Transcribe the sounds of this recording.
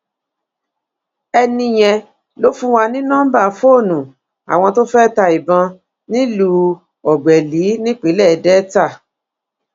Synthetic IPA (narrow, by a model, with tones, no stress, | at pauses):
ɛ˧nĩ˧j̃ɛ̃˧ | lo˨˦fũ˦wa˧nĩ˦nã˦ba˦˨fo˦˨nũ˨ | a̰˨w̃ɔ̃˧to˦fɛ˦ta˧i˨bã˧ | nĩ˦lu˧ | ɔ˨ɡ͡bɛ˨li˨˦nĩ˦k͡pe˨˦lɛ˦˨dɛ˦ta˦˨